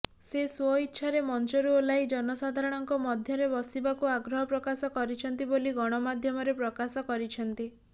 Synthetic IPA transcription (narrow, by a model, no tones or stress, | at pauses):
seswɔit̪ːʃʰaɾemɔnt͡ʃɔɾuolaid͡ʒɔnɔsad̪ʱaɾɔɽ̃ɔŋkɔmɔd̪ʱjɔɾebɔsibakuaɡɾɔɦɔpɾɔkasɔkɔɾit͡ʃʰɔnt̪iboliɡɔɽ̃ɔmad̪ʱjɔmɔɾepɾɔkasɔkɔɾit͡ʃʰɔnt̪i